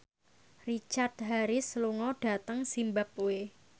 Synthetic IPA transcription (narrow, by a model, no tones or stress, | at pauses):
rit͡ʃart̪̚ɦaɾisluŋɔɖ̥a̤t̪əŋsimbap̚ːue